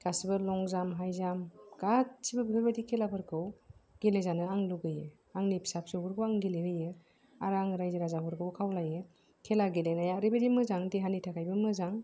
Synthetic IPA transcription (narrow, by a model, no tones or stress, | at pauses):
kasbɯlɔŋzamɦajzamɡatsibɯbipʰabadikʰelapʰɯɾkʰɯwɡ̥elezanɯaŋluɡɯjɯ | aŋnipsap̚sɯwbɯɾkʰɯwaŋɡileɾɯjɯ | aɾaŋɾajziɾazapʰɯɾkʰɯwkʰawlajɯ | kʰelaɡilenajaɾibedimɯzaŋdeɦanitʰakʰajbɯmɯzaŋ